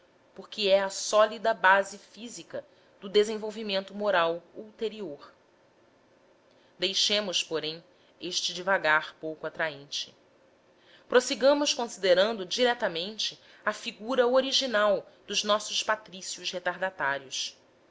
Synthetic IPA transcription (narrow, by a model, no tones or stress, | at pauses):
poχkɪɛɐsɔlid̪ɐbazɪfizikɐ | d̪ʊd̪ezẽvowvimẽnt̪ʊmoɾawuwt̪eɾioɾ | d̪ejʃẽmʊspoɾẽj̃ | eʃt͡ʃɪd͡ʒivaɡaɾpowkʊat̪ɾaẽnt͡ʃɪ̥ | pɾosiɡɐ̃mʊʃkõsid̪eɾɐ̃nd̪ʊd͡ʒiɾɛt̪ɐmẽnt͡ʃɪ | ɐfiɡuɾɐoɾiʒinawd̪ʊʒnɔsʊʃpat̪ɾisiʊʃhet̪aɾd̪at̪aɾjiʊs